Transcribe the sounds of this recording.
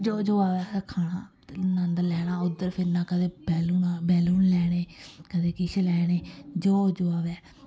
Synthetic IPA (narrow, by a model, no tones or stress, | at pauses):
d͡ʒoːd͡ʒoːaːʋɛːsəkʰaːɽãː | nənd̪lɛːɽ̃ãːʊd̪əɾpʰɪɾnãːkəd̪eːbɛːluːnaːbɛːluːnlɛːɽ̃eːkəd̪eːkɪʃlɛːɽeːd͡ʒoːd͡ʒoaːʋɛː